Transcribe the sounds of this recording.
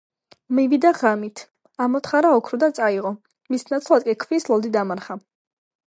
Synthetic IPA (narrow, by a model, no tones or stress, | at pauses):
mivid̪aʁamit̪ʰ | amɔt̪χaɾaɔkʰɾud̪at̪sʼaiʁɔ | misnat̪sʰlˠad̪̚kʼikʰvislˠɔd̪id̪amaɾχa